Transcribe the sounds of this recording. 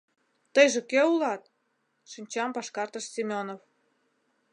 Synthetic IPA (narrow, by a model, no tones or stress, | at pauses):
t̪ɤjʒĕkeulɑt̪̚ | ʃinʲt͡ɕɑmpɑʃkɑrt̪əʃsʲimʲonof